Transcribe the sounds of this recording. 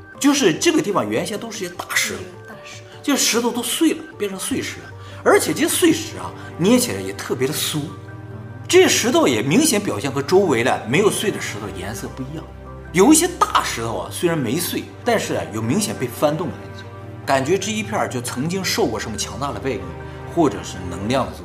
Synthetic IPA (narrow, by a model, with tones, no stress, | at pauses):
t͡ɕjo˥˧ʊʂɻ̩˥˧ʈ͡ʂɤ˥˩ɡə˩t̪i˥˩fɑ˨˩ŋɥɛ˧˥nɕjɛ˥nt̪o˥ʂɻ̩˥˩˧ɕɛ˥t̪ḁ˥˩ʂɻ̩˧˥t̪ʰo˥˧˩ʊt̪t͡ɕo˥˧ʂ̩˥˩ʂɻ̩˧˥t̪ʰo˥˩ʊt̪̬o˥ʊswe˥˩ɪlə˩pjɛ˥˩nʈ͡ʂʰɤ˧˥ŋswe˥˩ɪʂɻ̩˧˥lə̰˧ | ə˞˧˥t͡ɕʰjɛ˨˩ʈ͡ʂe˥˩ɛ˥swe˥˩ɪʂɻ̩˨˩˥ɐ̰˧ | njɛ˥t͡ɕʰɛ˨˩lə˧jɛ˨˩t̪ʰɤ˥˩pjɛ˧˥ɾə˨su˥ | ʈ͡ʂɤ˥˩ɕɛ˥ʂɻ̩˧˥t̪ʰo˥˩ʊjɛ˨˩mi˧˥ŋɕjɛ˧˥np̬jɑ˨˩ɕjɛ˥˩nxɤ˧˥ʈ͡ʂo˥ʊwe˧˥ɪd̪ɐ̰˨me˧˥ɪjo˨˩ʊswe˥˩d̪ə˩ʂɻ̩˧˥t̪ʰo˥˩ʊjɛ̰˧˥nsɤ˥˧pu˥˩i˧˥jɑ̰˥˩ŋ | jo˨˩ʊi˥˩ɕjɛ˥t̪a˥˩ʂɻ̩˧˥t̪ʰo˥˧ʊɐ̰˩swe˥ɻa˧˥nme˧˥ɪswe˥˩ɪt̪a˥˧nʂɻ̩˥˩ɐ̰˩jo˨˩ʊmi˧˥ŋɕjɛ˨˩npe˥˩ɪfa˥nt̪ʊ˥˩ŋd̪ə˨˩ə̰˧˥˩t͡s | ka˨˩nt͡ɕɥɛ˧˥ʈ͡ʂɻ̩˥˧i˥pʰjɑ˥˩t͡ɕjo˥˩ʊt͡sʰɤ˧˥ŋt͡ɕi˥ŋʂo˥˧kwɔ˥˩ʂə˧˥nmə˧t͡ɕʰjɑ˧˥ŋt̪a˥˩d̪ə˩pe˥˧ɪmḭ˥˩ŋ | xwɔ˥˩ʈ͡ʂɤ˨˩ʂɻ̩˥˩nɤ˧˥ŋljɑ˥˩ŋd̪ə˩˥